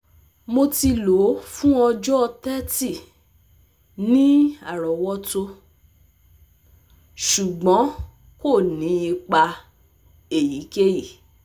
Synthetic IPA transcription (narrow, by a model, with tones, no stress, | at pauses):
mo˧ti˧lo˨˦fũ˦ɔ˧d͡ʒɔ˦ɔ˧tɛ˦ti˦˨ | nĩ˦a˦˨ɾɔ˨wɔ˦to˧ | ʃu˨ɡ͡bɔ̃˨˦ | ko˦˨nĩ˨˦i˧k͡pa˧ | e˨ji˨˦ke˦ji˦˨